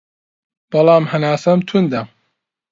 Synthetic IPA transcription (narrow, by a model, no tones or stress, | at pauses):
b̥ɐlˠɑːmhɐnaːsɐmt̪ʰund̪ɐ